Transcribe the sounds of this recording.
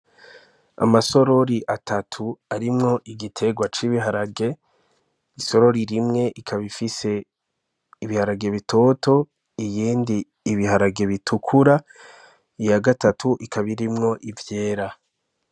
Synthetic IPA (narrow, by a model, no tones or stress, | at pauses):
a̰maso̞ɾo̞ɾiʔatʰatʰuaɾimŋo̞ʔiɡitʰe̞ɡwat͡ʃiβiɦaɾaɡe̞ | iso̞ɾo̞ɾiɾimŋe̞ʔikʰaβifise̞ | iβihaɾaɡe̞βitʰo̞ːtʰo̞ | ijiːndiː | βihaɾaɡe̞βitʰukʰuɾa | ijaɡatatʰuʔikaβiɾimŋo̞ʔivje̞ːɾa